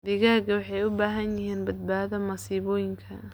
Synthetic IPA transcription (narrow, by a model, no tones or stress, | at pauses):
d̪ɪɣaːɡɐwɑħɑjʊbaːɦɐnjɪɦiːnbɐd̪̚baːðɐmɐsiːβɔːjɪŋkʰɐ